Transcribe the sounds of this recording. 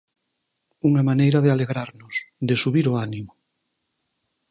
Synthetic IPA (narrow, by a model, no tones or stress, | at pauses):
uŋamanejɾaðealeɣɾaɾnosðesuβiɾoanimo